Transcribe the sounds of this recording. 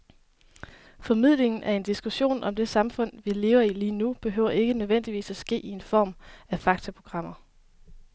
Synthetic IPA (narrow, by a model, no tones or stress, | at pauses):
fɒ̽mið̞̰ˠle̝ŋn̩ʔæɐe̝nd̥isɡ̥uɕo̝̰ːnʔɒ̽md̥e̝sɑ̈mfɔ̽n̰ʋile̝ːʊɐiliːnub̥e̝ɦøʊ̰ɐe̝ɡ̥ənøðˠʋen̰d̥iʋḭːsæsɡ̥e̝̰ːie̝nfɒ̰ːmæfɑ̈ɡ̥̚t͡sʰæpʰʁo̝ɡ̥ʁɑ̈m̰ɐ